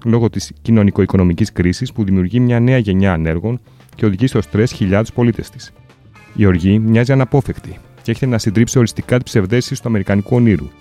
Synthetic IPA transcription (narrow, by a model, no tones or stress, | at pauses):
lo̞ɣo̞t̪iscino̞niko̞iko̞no̞miciskɾisispuðimiuɾʝimɲɐne̞ɐʝe̞ɲɐːne̞ɾɣo̞n | ce̞o̞ðiʝist̪o̞st̪ɾe̞sçiʎɐt̪u̥spo̞lit̪e̞st̪i̥s | io̞ɾʝimɲɐziɐnɐpo̞fe̞xt̪i | cee̞çet̪enɐsind̪ɾipsio̞ɾist̪ikɐt̪ibse̞vðe̞sist̪uɐme̞ɾikɐnikuo̞niɾṵ